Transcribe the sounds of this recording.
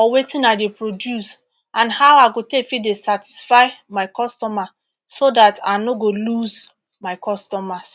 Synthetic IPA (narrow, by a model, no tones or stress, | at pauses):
ɔwetĩnaɪdepɹodjus | ãnhawaɪɡotefidesati̥sfaɪmaɪkɔstɔma | sodata̰noɡoluz | maɪkʰɔstɔmas